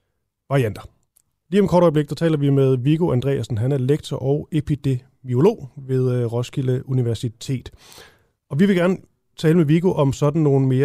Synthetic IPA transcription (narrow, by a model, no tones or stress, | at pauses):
ʋɑ̈ʁiænd̥ɐ | liːɒmkʰɒːɾ̥ɒɔɪble̝ɡ̥̚d̥æt͡sʰɛ̰ːlɐʋimeð̞ˠʋiɡ̥o̝ʔænd̥ʁɛ̰ːæsn̩ɦænæɐeleɡ̥̚t͡sʰɒʔɒ̽ʊe̝pʰed̥e̝ | mio̝lo̝̰ːʋe̝ðˠʁɒ̽sɡ̥iləuniʋæɐsit͡sʰe̝̰ːd̥ | ɒ̽ʋiʋe̝ɡ̥æɐnə | t͡sʰɛːləmeʋiɡ̥o̝ʔɒ̽msɒ̽d̥n̩no̝ːn̩me̝ːɐ